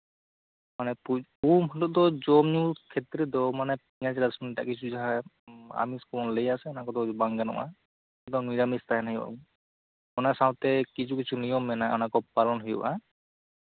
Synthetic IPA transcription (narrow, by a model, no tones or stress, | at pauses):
manɛpuumɦɔtɔt̚d̪ɔd͡ʒɔmɲukʰet̪ɾɛd̪ɔmanɛp̚iɲad͡ʒɾasɔnita̰ʔkit͡ʃʰud͡ʒaɦa | a̰miskɔɔnlejasɛnakɔd̪ɔbaŋɡanɔ̰ʔa̰ | ɔd̪ɔniɾamist̪aɦɛnɦijba̰ | ɔnasãw̃t̪ɛkit͡ʃʰukit͡ʃʰunijɔmːɛnaɔ̰nakɔpalɔnɦɔjɔbʔa